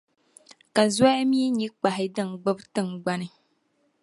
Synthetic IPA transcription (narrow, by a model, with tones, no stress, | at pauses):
ka˨za˦a˦mi˦ɲi˦k͡pa˨ɦɪ˨dɨ˦˨ŋ˨ɡ͡bɨ˦btɨ˦ŋɡ͡ba˦nɨ˦